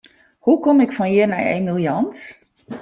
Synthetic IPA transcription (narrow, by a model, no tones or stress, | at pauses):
hukɔmɪkfɔnjɪna̰jḛmilˠjɑnt